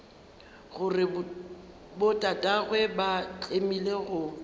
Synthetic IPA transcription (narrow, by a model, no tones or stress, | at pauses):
ɣʊrɪ | bʊtʼatʼaɣwɛbat͡ɬʼemileɣʊ